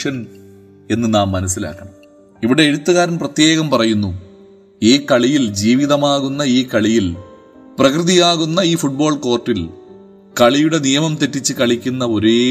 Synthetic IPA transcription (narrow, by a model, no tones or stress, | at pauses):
ʂɐn | e̞nːɨnaːmːɐnɐsːila̰ːkːɐɳɐ | iʋiɽe̞ːɽut̪ːɨɣaːɾɐmprɐt̪je̞ːɣɐmpɐrɐjunːu | iːkɐɭijild͡ʑiːʋiðɐmaːɣunːɐiːkɐɭijil | prɐkrɨðijaːɣunːɐiːfuʈ̚bo̞ːɭko̞ːrʈːil | kɐɭijuɽe̞nijɐmɐmt̪e̞tːit͡ɕːɨkɐɭikʲːunːɐo̞ɾe